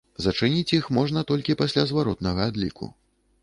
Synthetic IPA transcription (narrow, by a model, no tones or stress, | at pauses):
zɐt͡ʂɨnʲit͡sʲjixmɔʐnɐt̪ɔlʲkʲipasʲlʲazvaɾɔt̪nɐɣɐad̪lʲḭkʰṵ